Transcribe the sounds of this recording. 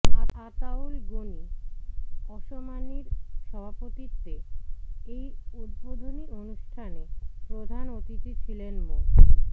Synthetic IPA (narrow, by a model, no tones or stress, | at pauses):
aat̪aulɡoni | ɔʃomaniɾʃɔbʱapot̪iɾt̪e | ejut̪̚bod̪ʱonionuʃʈʰanepɾod̪ʱanot̪itit͡ɕʰilenmo